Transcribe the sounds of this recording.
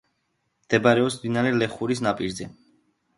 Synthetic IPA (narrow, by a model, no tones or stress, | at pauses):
md̪̥ɛbaɾɛɔpsmd̪inaɾɛlɛχuɾis̬napʼiɾzɛ